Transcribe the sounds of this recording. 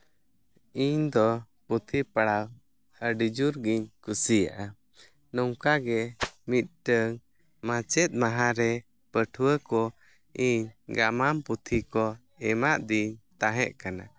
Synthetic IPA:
iɲd̪ɔ | put̪ʰipaɽaw | əɖid͡ʒuɾɡiɲkusija̰ʔa | nɔŋkaɡɛmit̪̚ʈəŋ | mat͡ʃɛt̪̚ˀmaɦãɾɛ | pəʈʰwəkɔ | iɲɡamamput̪ʰikɔ | ɛmaʔd̪iɲt̪aɦɛʔkana̰

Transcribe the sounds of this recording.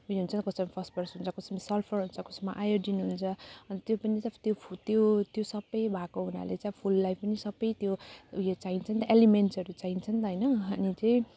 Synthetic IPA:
ɦujɦunt͡sʰʌnt̪kʌspipʰʌsʈ̚bʌrsɦunt͡sʰʌkʌsmisʌlpʰʌrɦunt͡sʰʌkʌsma̰ʔajoɖinuɦunt͡sʰʌʌnt̪jopʌnit̪jopt̪jot̪josʌbːʌjbʱakoɦuna̰lḛt͡sajpʰulːajpʰpʌnisʌbːʌjt̪jojot͡saɦint͡sʰʌnt̪ʌʔelimenʈsʌɾut͡saint͡sʰʌnt̪ʌɦʌjnʌnit͡saĩ

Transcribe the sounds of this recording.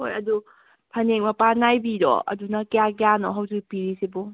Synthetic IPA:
hojɐdu | pʰɐneŋmɐpanajbiɾɔ̰ɐ̰dunɐkijakjanɔɦɐwzikpiɾisibu

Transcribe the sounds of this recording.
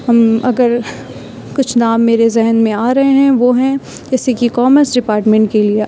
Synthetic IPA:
ɦɐmɐɡəɾ | kʊt͡ʃʰnaːmːeːɾezɛɦnmẽaːɾɐɦeɦɛ̃ʋoːɦɛ̃ | d͡ʒɛːsekikɔːməɾsɖɪpaːɾʈmɛ̃ɳʈ̚kelie

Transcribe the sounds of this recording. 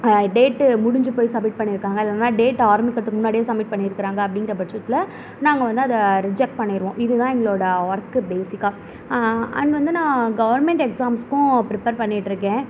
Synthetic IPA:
ɖeːʈːmʊɽʊɲd͡ʒɯpoːjsɐmːɪʈ̚pɐɳːɪɾɯkːaːŋɡɐɪðɐnaːɖeːʈːaːɾmikɐʈ̪ːɯkːɯmʊnːaːɽɪjeːsɐmːɪʈ̚pɐɳːɪɪɾɯkːɪɾaːŋɡɐɐpːɐɽɪŋɡɪɾɐpɐt͡ʃɾɐt̪ːɪlɐ | naːŋɡɐʋɐnd̪ɯɐðɐɾɪd͡ʒɛk̚ʈ̚pɐɳːɪɾɯʋõːʔɪðɯt̪ãːɛŋɡɐɭoːɽɐʋɐɾkːɯbeːsɪkːaː | ɐ̰ɳʋɐnd̪ɯnãːɡɐʋɐɾmɛɳʈɛksaːmskʊ̃pɾɪpɐːɾpɐɳːɪʈːɾɯkːẽː

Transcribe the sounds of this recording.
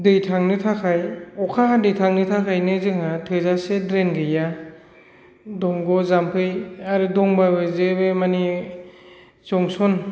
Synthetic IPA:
dɯjtʰaŋnɯtʰakʰajɔkʰaɦadɯjtʰaŋnɯtʰakʰajnɯzɯŋatʰɯzasedɾenɡɯja | dɔŋɡɔzampʰɯjaɾɯdɔŋbabɯzebemani | zɔŋsɔn

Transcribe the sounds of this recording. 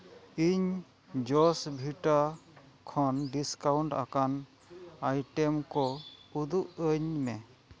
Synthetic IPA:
iɲ | d͡ʒɔsbʱiʈa | kʰɔnɖiskawuɳʈa̰kan | ajʈɛmkɔud̪uʔəɲmɛ

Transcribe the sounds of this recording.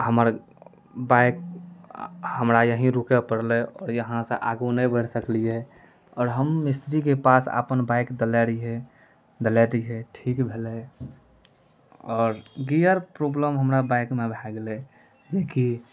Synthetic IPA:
həməɾ | baɪk̚ | həmɾajəɦĩɾukepəɽleɔːɾjəɦãseʔaɡunəĩbəɽsəkliɦɛ | ɔːɾɦəmːɪst̪ɾikepasə̰pənbaɪkd̪əlɛɾiɦɛ | d̪əlɛt̪iɦɛʈʰiːkbʱele | ɔːɾɡijəɾpɾobləmɦəmɾabaɪkmẽbʱɛɡle | d͡ʒeki

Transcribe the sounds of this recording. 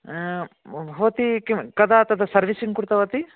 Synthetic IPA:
bʱɐʋɐt̪ikimkɐd̪at̪ɐd̪ʰɐsɐɾʋisiŋkuɾt̪ɐʋɐt̪i

